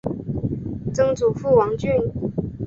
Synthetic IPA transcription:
t͡sɤ˥ŋt͡su˨˩fu˥˩wɑ˧˥ŋt͡ɕy˥˩n

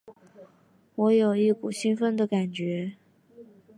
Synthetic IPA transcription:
wɔ˧˥jo˨˩ʊi˥˩ku˨˩ɕi˥nfə˥nd̪ə˨ka˨˩nt͡ɕɥɛ˧˥

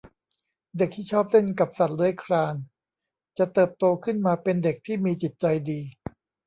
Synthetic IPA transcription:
de˨˩k̚t̪ʰiː˥˩t͡ɕʰɔː˥˩p̚le˥˩nka˨˩p̚sa˨˩t̪̚lɯː˦əjkʰɾaː˧n | t͡ɕa˨˩t̪ɤː˨˩p̚t̪oː˧kʰɯ˥˩nmaː˧pe˧nde˨˩k̚t̪ʰiː˥˩miː˧t͡ɕi˨˩t̪̚t͡ɕa˧jdiː˧

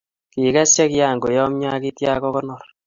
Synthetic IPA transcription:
ki˨ka˦sja˦kja˨ŋɡo˨jɔ˦mɲa˦ki˦tja˦kɔ˦kɔ˦nɔ˨r

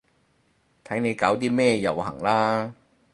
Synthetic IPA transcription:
t̪ʰɐ˨˥jne˨˧jkaː˨˥wt̪iː˥mɛː˥˩jɐ˨whɐ˨˩ŋlaː˥

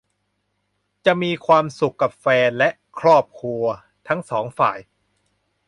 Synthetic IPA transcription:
t͡ɕa˨˩ʔmiː˧kʰwaː˧msu˨˩kːa˨˩p̚fɛː˧nlɛ˦˥ʔkʰɾɔː˥˩p̚kʰɾu˧ɐ | t̪ʰa˦˥ŋsɔː˩˦ŋfa̰ː˨˩j

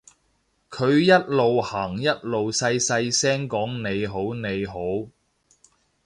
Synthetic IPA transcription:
kʰɵ˨˧ɥjɐ˥t̚lo˨whaː˨˩ŋjɐ˥t̚lo˨wsɐ˧jsɐ˧jsɛː˥ŋkɔː˨˥ŋne˨˧jɦo˨˥wne˨˧jɦo˨˥w

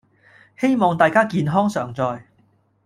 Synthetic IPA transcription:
he˥jmɔː˨˩ŋt̪aː˨jkaː˥kiː˨nɦɔː˥ŋsœː˨˩ŋt͡sɔː˨˧j

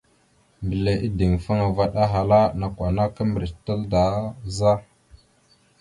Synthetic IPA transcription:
mbə˨le˨ʔi˦di˨ŋfa˦ŋa˨va˦ɗa˦ɦa˨la˦na˨kʷa˨na˦kə˦mbɾi˨tə˦lda˨˦za˦

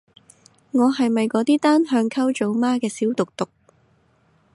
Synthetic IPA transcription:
ŋɔː˨˧ɦɐ˨jmɐ˨jkɔː˨˧˥t̪iː˥t̪aː˥nɦœː˧ŋkʰɐ˥wt͡ʃo˨˥wmaː˥kɛː˧siː˨˥wt̪ʊ˨k̚t̪ʊ˨k̚

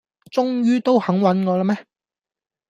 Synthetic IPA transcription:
t͡sʊ˥ŋjyː˥t̪o˥whɐ˨˥ŋwɐ˨˥nŋɔː˨˧lɐ˥mɛː˦˥

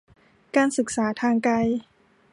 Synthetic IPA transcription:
kaː˧nsɯ˨˩k̚saː˩˦t̪ʰaː˧ŋka˧j

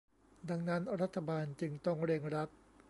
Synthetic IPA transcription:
da˧ŋna˦˥nɾa˦˥t̪ʰːa˧baː˧nt͡ɕɯ˧ŋt̪ɔ˥˩ŋɾe˧ŋɾa˦˥t̪̚

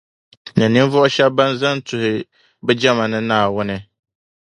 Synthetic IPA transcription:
nɨ˨nɨ˦ɱvɔ˦ʔʊ˦ʃɛ˦ba˦nza˦ntʊ˨hɪ˨ | bɛ˦d͡ʒɛ˦ma˨nɨ˦naː˨wʊ˦nɨ˦

